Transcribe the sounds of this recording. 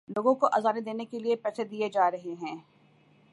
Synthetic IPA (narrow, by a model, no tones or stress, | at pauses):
loːɡõkoʔɐzaːned̪eːnekeliepɛːsed̪ied͡ʒaːɾɐɦeɦɛ̃ː